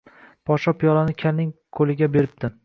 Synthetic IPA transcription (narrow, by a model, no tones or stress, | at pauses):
pʰɒʃɒpʰijɒlanɪkʲʰalnɪŋkʰolɪɡʲabeɾɪp̚t̪ɪ